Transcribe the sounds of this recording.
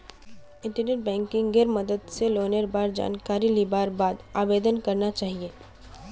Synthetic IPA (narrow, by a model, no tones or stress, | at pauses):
ɪ̃ɳʈəɾneːʈ̚bɛ̃ːŋkɪ̃ŋɡɡeːɾməd̪əd̪seloːneɾbaːɾd͡ʒa̰ːnkaːɾilibaːɾbaːd̪aːbeːd̪ənkɐɾnat͡ʃaːɦieː